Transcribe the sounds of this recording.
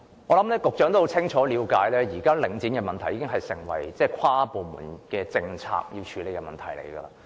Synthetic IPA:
ŋɔː˨˧lɐ˨˥mlɛː˥kʊ˨k̚t͡ʃœː˨˥ŋt̪o˥ho˨˥t͡sʰɪ˥ŋt͡ʃʰɔː˨˥liː˨˧wkaː˨˥jlɛː˥jiː˨˩kaː˥lɪ˨˥ŋt͡siː˨˥nkɛː˧mɐ˨nt̪ʰɐ˨˩jiː˧kɪ˥ŋɦɐ˨jsɪ˨˩ŋwɐ̰˨˩jt͡sɛː˥˩kʰaː˥poː˨mṵ˨˩nkɛː˧t͡sɪ˧ŋt͡sʰa̰ː˧k̚jiː˧wt͡ʃʰyː˨˧le˨˧jkɛ˧mɐ̰˨nt̪ʰɐ̰˨˩jlḛ˨˩jɡə̰ː˧laː˧

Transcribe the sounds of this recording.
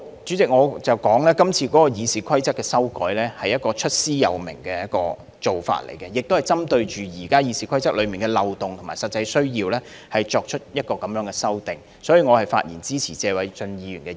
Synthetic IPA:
t͡ʃyː˨˥t͡sɪ˨k̚ŋɔː˨˧t͡sɐ˨˩wkɔː˨˥ŋlɛː˥kɐ˥mt͡sʰiː˧kɔː˨˥kɔ˧jiː˨˧siː˨kʷʰɐ˥jt͡sɐ˥kːɛː˧sɐ˥wkɔ̰ː˨˥jlɛː˥hɐ˨jːɐ˥t̚kɔː˧t͡ʃʰɵ˥t̚siː˥jɐ̰˨˧wmɪ̰˨˩ŋkɛː˧jɐ˥t̚kɔː˧ | t͡so˨wfa̰ː˧˨t̚lḛ˨˩jkɛ˧jɪ˨k̚t̪o˥whɐ˨˩jt͡sɐ˥mt̪ɵ˧ɥt͡ʃyː˨jiː˨˩kaː˥jiː˨˧siː˨˥kʰɐ˥jt͡sɐ˥k̚lɵ˨˧ɥmiː˨nkɛː˧lɐ˨wt̪ʊ˨ŋt̪ʰmaː˨˩sɐ˨t̚t͡sɐ˧jsɵ˥ɥjiː˧wlɛː˥hɐ˨jt͡ʃɔː˧k̚t͡ʃʰɵ˥t̚jɐ˥t̚kɔː˧kɐ˨˦mjœː˨˥ŋkɛː˧sɐ˥wt̪ɪ˨ŋ | sɔː˨˥jiː˨˧ŋɔ˨˧hɐ˨˩jfa̰ː˧t̚jʔḭː˨˩nt͡siː˥t͡sʰiː˨˩t͡sɛː˧wɐ˨˥jt͡ʃɵ˧njiː˨˧yː˨˩nkɛ˧

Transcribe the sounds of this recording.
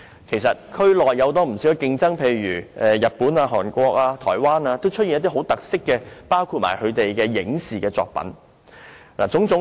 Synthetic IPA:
kʰe˨˩jsɐ˨t̚kʰɵ˥lɔː˨˩jːɐ˨˧wt̪ɔː˥m̩˨˩si˨˦˥wkɛ˨˧kɪ˧ŋt͡sɐ˥ŋpʰe˨˧jɥyː˨˩ʔɛ˨˧jɐ˨t̚puː˨˥naː˧ɦɔː˨˩nkʷɔː˧k̚aː˧t̪ʰɔː˨˩jwaː˥naː˧t̪o˥wt͡ʃʰɵ˥t̚i˨njɐ˥t̪̬i˥ɦo˨˥wt̪ɐ˨k̚sɪ˥kːɛː˧paː˥wkʰuː˧t̚ma̰ː˨˩jkʰɵ˨˧ɥt̪e˨jkɛː˧jɪ˨˥ŋsiː˨kɛː˧t͡sɔ̰ː˧k̚pɐ̰˨˥n | la̰ː˨˩t͡sʊ˨˥ŋt͡sʊ˨˥

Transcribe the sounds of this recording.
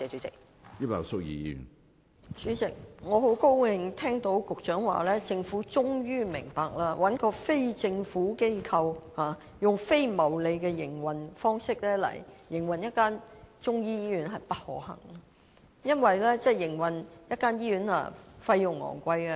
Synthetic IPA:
t͡sɛ˨˧t͡ʃɵ˨˥t͡sɪ˨k̚ | ji˥pɐ̰˨˩wsʊ˥k̚jḭː˨˧jḭ˥˧˨n | syː˨˥t͡sɪ˨k̚ŋɔː˨˧ɦo˨˥wko˥wwɪ˨˧ŋt̪ʰɛː˥ŋt̪o˨˥wkʊ˨k̚t͡ʃœː˨˥ŋwa̰ː˨˩lɛː˥t͡sɪ˧ŋfuː˨˥t͡ʃʊ˥ŋjyː˥mɪ̰˨˩ŋpaː˨k̚laː˥wʔɐ˨˥nkɔː˧fe˥jt͡sɪ˧ŋfuː˨˥ke˥jkʰɐ˧whaː˨ | jʊ˨ŋfe˥jmɐ˨˩wle˨jkɛː˧jɪ˨˩ŋwɐ˨nfɔː˥ŋsɪ˥k̚lɛː˥lɐ̰˨˩jːɪ˨˩ŋwɐ˨njɐ˥t̚kaː˥nt͡ʃʊ˥ŋjiː˥jiː˥jyː˨˥nɦɐ˨jpɐ˥t̚hɔ̰ː˨˥hɐ̰˨˩ŋ˨ | jɐ˥nwɐ˨jlɛː˥t͡sɛː˥˩jɪ˨˩ŋwɐ˨njɐ˥t̚kːaː˥njiː˥jyː˨˥na̰ː˧˩fɐ˧jːʊ˨˩ŋːɔ̰ː˨˩ŋkʷɐ˧jkɛ˧

